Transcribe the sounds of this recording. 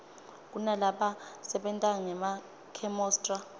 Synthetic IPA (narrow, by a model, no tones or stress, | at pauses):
k̬ʼunalaɓasɛɓɛntʼaŋɛma | kʰɛmɔːstʼra